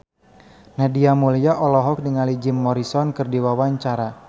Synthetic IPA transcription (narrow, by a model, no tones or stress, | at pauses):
nadiamulijaʔɔlɔɦɔk̚diŋalid͡ʒɪmːɔɾisɔnkɨrdiwawaɲt͡ʃaɾa